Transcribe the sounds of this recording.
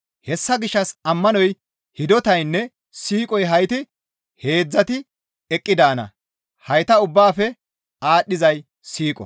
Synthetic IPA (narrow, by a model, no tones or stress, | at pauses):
hɛsːɐɡɪʃːɐsɐmːɐnɔj | hɪd̪ɔt̪ɐjnːɛ | siːkʼɔjɦɐjt̪ɪ | he̞ːd͡zːɐt̪ɪ | ɛkʼːɪd̪aːnɐ̰ | hɐjt̪ɐʊbːaːfɛ | aːɗːɪzɐj | siːkʼɔ̰